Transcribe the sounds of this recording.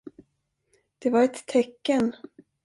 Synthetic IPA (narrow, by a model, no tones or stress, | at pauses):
d̪̥ɛvaɾɛt̪ʰːɛkːən